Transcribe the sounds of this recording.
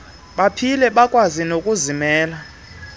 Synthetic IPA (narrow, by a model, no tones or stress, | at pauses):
ɓapʰilɛɓakʼwazinokʼuzimɛːla